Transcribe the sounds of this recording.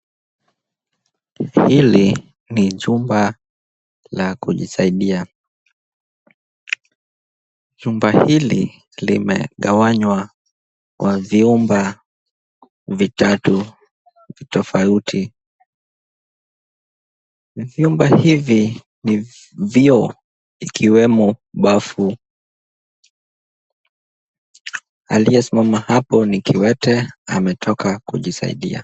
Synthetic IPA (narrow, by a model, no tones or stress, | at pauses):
hili | niʄumba | lakuʄisaiɗia | ʄumbahilḭ | lḭmɛ̰ɠawaɲwa | kwaviumba | vitatu | vitɔfautʰi | viumbahivi | ni | viɔ | ikʰiwɛmɔɓafu | aliasimamahapɔnikiwɛtɛamɛtʰɔkakuʄisa̰ḭɗḭa̰